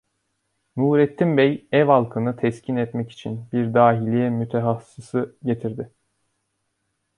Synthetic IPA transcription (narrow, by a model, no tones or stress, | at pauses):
nuːɾɛt̪ʰːimbɛjɛvalˠkʰɯnɯt̪ʰɛscʰinɛt̪mɛci̥t͡ʃʰinbiɾd̪aːɦilʲijɛmyt̪ʰɛɦasːisɯɟe̞t̪ʰiɾd̪ɪ